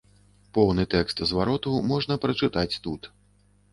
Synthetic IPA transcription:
pɔwnɨt̪ɛkst̪zvaɾɔt̪umɔʐn̪ɐpɾɐt͡ʂɨt̪at͡sʲt̪ut̪

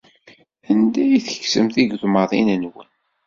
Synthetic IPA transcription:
ænd̪æjiθəçsəmθiɡθməðˤḭnənwə̰n

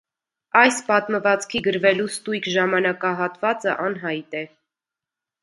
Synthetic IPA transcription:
ɑjspɑt̪məvɑt͡skʰiɡəɾvɛlust̪ujkʰʒɑmɑnɑkɑɦɑt̪vɑt͡səʔɑnɦɑjt̪ɛ

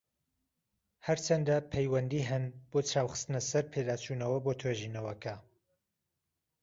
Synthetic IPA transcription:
hɐɾt͡ʃʰɐnd̪ɐpʰɛjwɐnd̪iːɦɨnboːt͡ʃʰaːwχɨ̥st̪ɨnɐsɐɾpʰeːd̪aːt͡ʃʰuːnɐwɐboːt̪ʰoʒiːnɐwɐkʰɐ

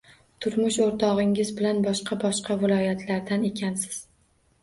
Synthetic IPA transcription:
t̪ʰʊɾmʊʃoɾt̪ʰɒʁɪŋɪzbɪlanbɒʃqʰɑbɒʃqɑvɪlˠɒjat̪ʰlaɾd̪ane̞kʲʰansɪ̥z̥

